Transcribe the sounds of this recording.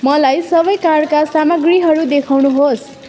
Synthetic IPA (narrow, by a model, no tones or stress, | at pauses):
mʌlajsʌbʌjkaɽkasamʌɡriɦʌɾud̪ekʰawnuɦos